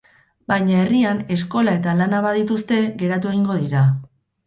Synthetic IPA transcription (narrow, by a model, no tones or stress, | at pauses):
bajɲae̞riane̞sko̞lae̞t̪alanaβaðit̪ust̪e̞ɣe̞ɾat̪̬ue̞ɣiŋɡo̞ðiɾa